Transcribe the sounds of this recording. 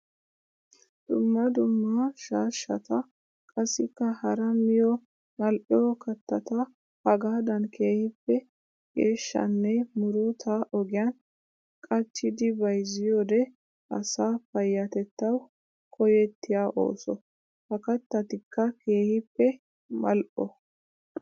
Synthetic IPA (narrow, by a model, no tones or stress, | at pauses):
d̪̥ʊmːɐd̪ʊmːɐʃaːʃːɐ̰t̪ɐ | kʼɐsːɪkːɐhɐɾɐmɪjɔ | nɐlʔɪjɔkɐt̪ːɐt̪ɐ | hɐɡaːd̪ɐnkʰe̞ːhɪpːɛ | ɡeːʃːɐ̰nːɛmʊɾɔt̪ʰaʔɔɡɪjan | kʼɐt͡ʃːɪd̪ɪbɐjzɪjɔd̪ɛ | ʔɐ̰saːfɐjːɐt̪ɛt̪ːɐw | kʰɔjɛt̪ːɪjaːʔo̞̰ːsɔ | hɐkɐt̪ːɐt̪ɪkːɐke̞ːhɪpːɛ | mɐlʔɔ